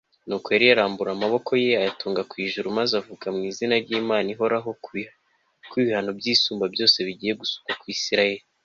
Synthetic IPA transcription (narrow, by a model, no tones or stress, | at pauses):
nuːkwoeɾijaɾaːmbuɾamaβo̞kʰo̞jeajatuːŋɡakwiːʒuɾumazavukamŋiːzinaɾɟiːmaːniɦo̞ɾaɦo̞ | kwiβihano̞bɟiːsuːmbabjo̞ːse̞βiɟiːje̞ɡusu̥kwakwisiɾaje̞ɾi